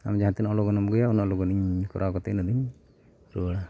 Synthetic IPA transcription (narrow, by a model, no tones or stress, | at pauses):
a̰md͡ʒaat̪ɛnɔɔlɔɡɔnɔmɡɔjaunɔʔlɔɡɔniɲkɔ̰ɾʔakɔt̪ɛʔnɔd̪iɲ | ɾuɽa